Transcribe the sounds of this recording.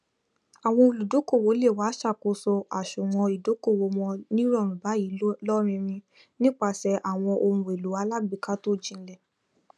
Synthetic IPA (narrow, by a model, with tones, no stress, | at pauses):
a˨w̃ɔ̃˧o˧lu˨do˨˦ko˦˨wo˨˦le˦˨wa˨˦ʃa˦˨ko˧˦sɔ˧ʔa˨ʃu˨w̃ɔ̃˧i˨do˨˦ko˦˨wo˧˦mɔ̃˧nĩ˦ɾɔ˦˨ɾ̃ũ˨ba˨˦jiː˨˦lɔ˦ɾ̃ĩ˧ɾ̃ĩ˧ | nĩ˦k͡pa˧sɛ˧ʔa˨w̃ɔ̃˧ʔo˧ũ˧˨e˨lu˨˦a˧la˦ɡ͡bi˨˧˨ka˦to˦˨d͡ʒĩ˧n̩˦lɛ˦˨